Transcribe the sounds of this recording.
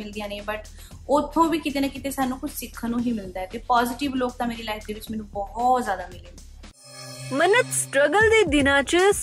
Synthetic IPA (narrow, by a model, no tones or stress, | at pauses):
ɪld̪ɪjãːneːbəʈ | ʊt̪ʰːõːʋiːkɪt̪eːnakɪt̪eːsaːnũːkʊt͡ʃʰsɪkʰːənũːɦiːmɪld̪aːɛːt̪eːpaːzɪʈɪʋloːk̚t̪ãːmeːɾiːlaːɪk̚ʰd̪eːʋɪt͡ʃmɛːnũːbɔɦɔːt̪zjaːd̪aːmɪleːnː | mənət̪sʈɾəɡəld̪eːd̪ɪnãːt͡ʃs